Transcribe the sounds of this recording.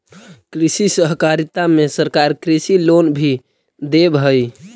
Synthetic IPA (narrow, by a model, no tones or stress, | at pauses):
kɾisisəɦkaɾit̪amesəɾkaɾkɾisilonbʱi | d̪ebɦəj